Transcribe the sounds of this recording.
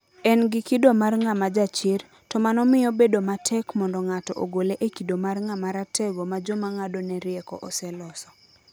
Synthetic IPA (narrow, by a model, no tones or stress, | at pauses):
ɛnɡɪkidomarŋamad͡ʒat͡ʃɪr | tɔmanɔmɪjɔbedomatʰɛkmɔndɔŋatɔʔo̰ɡoleʔekidomarŋamaɾatɛɡomad͡ʒomaŋadonɛɾjɛkɔ̰ʔɔsɛlɔsɔ̥